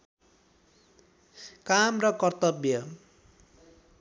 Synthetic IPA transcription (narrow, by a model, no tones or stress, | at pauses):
kamrʌkʌrt̪ʌbjʌ